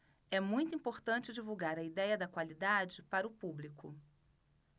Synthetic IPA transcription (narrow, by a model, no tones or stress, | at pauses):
ɛmũj̃t̪ʊĩpoɾt̪ɐ̃t͡ʃɪd͡ʒivuɡaɾɐid̪ɛjɐd̪ɐkwalid̪ad͡ʒɪpaɾɐʊpublikʊ